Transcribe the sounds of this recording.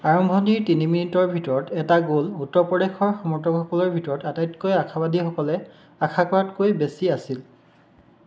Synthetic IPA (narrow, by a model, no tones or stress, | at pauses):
aɹɔmbʱɔniɹtiniminitɔɹbʱitɔɹɔtɛtaɡolutːɔɹpɹɔdexɔɹxɔmɔɹtɔkxɔkɔlɔɹbʱitɔɹɔtatajtkojakʰabadʱixɔkɔlɛ | akʰakɔatkojbesiasil